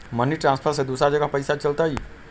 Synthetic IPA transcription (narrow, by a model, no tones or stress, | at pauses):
məniʈɾãnspʰəɾsed̪usɾad͡ʒəɡəpəjsat͡ʃəlt̪əj